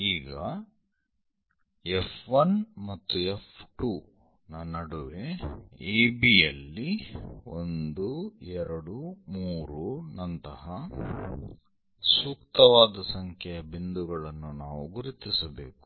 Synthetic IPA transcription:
iːɡɐ | efʰʋɐnmɐt̪ːuefʈuː | nɐnɐɽuʋeeːbijɐlːiond̪uɛɾɐɽumuːɾunɐnt̪ɐɦɐ | suːkt̪ɐʋaːd̪ɐsɐŋkʰjɛjɐbind̪uɡɐɭɐnːunaːʋuɡuɾit̪isɐbe̞ːku̥

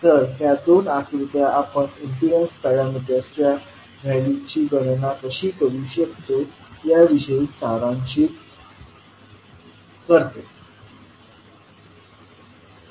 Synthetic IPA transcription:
t̪əɾɦjad̪onakɾit̪jaʔapəɳinfiɾənspaɭaməd̪ʱːeəst͡ɕja | ɡʱajlit͡ɕiːɡəɽnakəɕiːkəɾuɕəkt̪ojaʋiɕəist̪aɾãɲt͡ɕiːt | kəɾt̪e

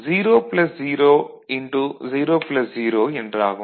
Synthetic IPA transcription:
ziːɾoːplɐsziːɾoː | iɳʈuziːɾoːplɐsd͡ʒiːɾoːiɳɖɾaːɣɐ

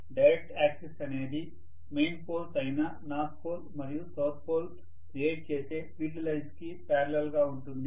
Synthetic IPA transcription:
ɖɐjɾek̚ʈaːksesɐne̞ːd̪i | mejnpoːlsɐjna | naːspoːlmɐɾijusɐwt̪̚poːl | kɾieːʈ̚t͡ʃe̞ːse̞ːpiːʈ̬ilɐjskipaːɾɐlɐlɡaːuɳʈund̪i

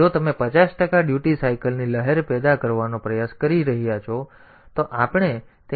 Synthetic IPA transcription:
ot̪əmepət͡ʃasʈəkaɖjuʈisaikəlniləɦɛɾpɛd̪akəɾʋanopɾəjaskəɾiɾəɦijat͡ʃʰo | t̪oʔapɳ̃e | t̪e

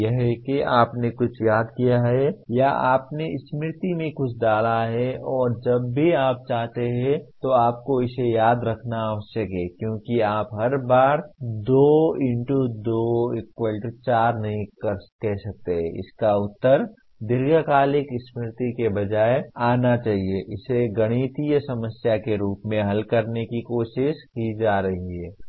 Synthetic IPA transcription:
jɐɦɛkeaːpnekʊt͡ʃʰjaːd̪kijaɦɛjaa̰ːpneɪsmɪɾt̪imẽkʊt͡ʃʰd̪aːlaɦɛʔɔːɾd͡ʒɐbːʱiaːp̚t͡ʃaːɦt̪eɦɛ̃t̪oaːp̚koɪsejaːd̪ɾɐkʰnaːʋəʃəkeːkjõːkiaːpɦɐɾbaːɾd̪oːɪ̃ɳʈud̪oːɪkwəlʈt͡ʃaːɾnɐɦĩkəɾkɛɦsɐk̚t̪eɦɛ̃ɪ̰skaʊt̪ːəɾ | d̪ɪɾɡəkaːlɪkɪsmɪɾt̪ikebɐd͡ʒaːeaːnat͡ʃaːɦieʔɪseɡɐɽ̃iːt̪ijsɐməsjakeɾuːpmẽɦɐlkɐɾnekikoːʃɪʃkid͡ʒaːɾɐɦiɦɛː

